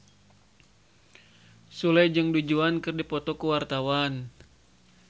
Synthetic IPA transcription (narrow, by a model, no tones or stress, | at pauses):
sulajd͡ʒɨŋdud͡ʒuankɨrdipɔt̪ɔkuwart̪awan